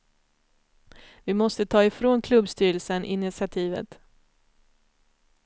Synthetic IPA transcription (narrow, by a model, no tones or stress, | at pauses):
vɪmɔst̪ət̪ʰɑːɪfɾoːnkʰlɵbst̪yːɾəlsənʔɪ̰nɪsɪat̪ʰiːvə̰t̪